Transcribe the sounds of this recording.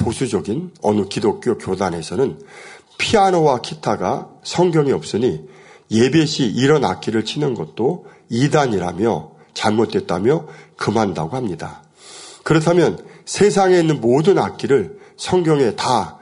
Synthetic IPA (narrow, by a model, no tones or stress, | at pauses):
posʰud͡ʑʌɡinʌ̰nukidok͈̚jokjodanɦe̞sʰʌnɯn | pʰianowakʰitʰaɡa̰sʰʌŋɡjʌŋiʌp̚s͈ɯɲi | je̞be̞ɕʰiʔiɾʌna̰k͈iɾɯɭt͡ɕʰinɯnɡʌt̚t͈o | idaɲiɾamjʌ | t͡ɕaɭmot̚t͈we̞t̚t͈amjʌkɯmɦanda̰ɡohamɲida̰ | kɯɾʌtʰamjʌnsʰe̞s̬ʰaŋe̞inːɯnmodɯnak͈iɾɯɭsʰʌŋɡjʌŋe̞ta